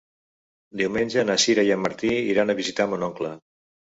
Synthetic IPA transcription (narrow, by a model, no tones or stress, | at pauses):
d̪iwmenʲʒənəsiɾəjamːəɾt̪iiɾanəβizit̪amunɔŋklə